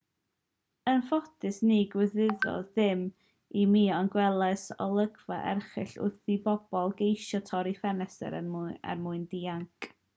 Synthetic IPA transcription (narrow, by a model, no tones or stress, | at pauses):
ənfɔtɨsniɡwɪðɪðɔ̰ðɪm | imiːɔnɡwɛlˠɛsɔ̰lˠəɡvaʔɛ̰rχɨɬʊ̰rθibɔb̥ɔlˠɡejʃɔtʰɔɾifɛnɛsɛ̰ɾə̰a̰rmʊɨndiːaŋkʰʼ